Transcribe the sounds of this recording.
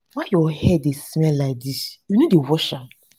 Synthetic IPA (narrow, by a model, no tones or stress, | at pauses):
wajɔhɛdesimɛladiʃunõdewɔʃa